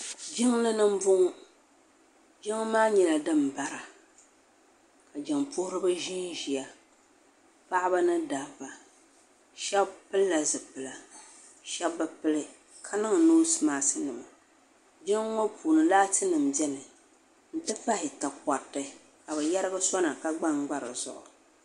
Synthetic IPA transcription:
d͡ʒɪ˦ŋlɨ˦nɨ˦m̩˦bʊ˦ŋ˦ | d͡ʒɪ˦ŋ˦maː˦ɲɛ˨la˨dɨ˦m˨ba˨ɾa˨ | ka˨d͡ʒɪ˨ŋpʊ˦hʊ˦ɾɨ˦bɨ˦ʒi˦nʒi˨a˨ | pa˦ʔɪ˦ba˦nɨ˦da˨va˨ | ʃɛ˦bpɨ˦lːa˨zɨ˨pɨ˨la˨ | ʃɛ˦bbɨ˦pɨ˦lɨ˦ | kʰa˦nɨ˦ŋ˨noː˦sɨ˦maː˨sɨ˦nɨ˨ma˨ | d͡ʒɛ˦ŋ˦ŋo˦pʰuː˨nɨ˨laː˦tɨ˦nɨ˨m˨bɛ˦nɨ˨ | n̩˨˦tɨ˦pa˦hɪ˨ta˨ka˨tːɨ˦ | ka˨bɨ˨jɛ˦ɾɨ˦ɡɨ˦sɔ˦na˨ka˦ɡ͡ba˦ŋ˦ɡ͡ba˦ɾɨ˨zʊ̰˨ʔʊ̰˨

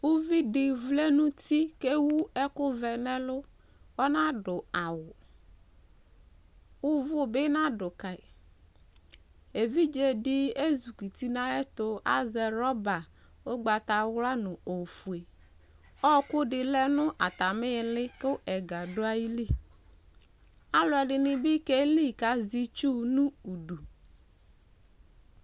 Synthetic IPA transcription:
wu˦vi˦ɖɪ˨vle˦nũ˦t̪i˦ke˦wu˦ɛ˦kʊ˦vɛ˨nɛ̃˦lʊ˦ | wɔ˦nã˦ɖʊ˨a˨wʊ˨ | wʊ˦vʊ˦be˦nã˦ɖʊ˨ka˨i˨ | e˨vi˦d͡ʒe˨ɖɪ˦e˦zu˨ki˨t̪i˦nã˦ɛ˦t̪ʊ˦a̰˦zɛ˨ɾɔ˦ba˨ | o˦ɡ͡ba˨t̪a˨wla˦nʊ̃˨o˨fu˨e˨ | ɔ˦kʊ˦dɪ˨lɛ˦nʊ̃˦ʔa˨t̪a˨mɪ˦˨lɪ˦kɪ˦ʔɛ˨ɡa˨dʊ˦a˦ji˦li˦˨ | a˦lʊ˨˦ɛ˨ɖɪ˨nɪ̃˦bɪ˦ke˦li˦˨ka˦zi˦t͡ʃu˦nũ˦u˨du˨

